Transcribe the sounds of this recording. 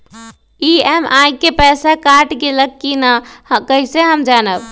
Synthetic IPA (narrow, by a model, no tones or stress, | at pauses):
iɛmakepɛsakaʈɡeləkːinakəɦiseɦəmd͡ʒanəb